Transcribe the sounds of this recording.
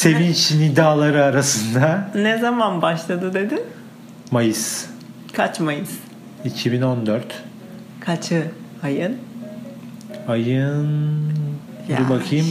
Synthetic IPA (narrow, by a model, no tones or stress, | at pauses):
se̞viːt͡ʃʰinid̪aːlˠaɾɯaɾasɯnd̪anezamanbaʃlˠad̪ɯd̪e̞d̪ɪ | majɯs | kʰat͡ʃmajɯz̥ | icʰibino̞nd̪œɾt̪ | kʰat͡ʃʰɯajɯn | ajɯn | ubakʰɯjɯm